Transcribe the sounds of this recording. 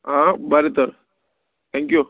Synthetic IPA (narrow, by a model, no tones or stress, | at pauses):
ɦãbaɾit̪əɾ | t̪ʰɛ̃ŋkju